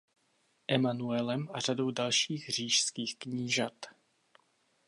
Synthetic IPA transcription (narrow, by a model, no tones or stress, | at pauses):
ʔɛmanuɛlɛmʔar̝ado̞wdalʃiːɣr̝̥iːʃskiːxkɲiːʒat̪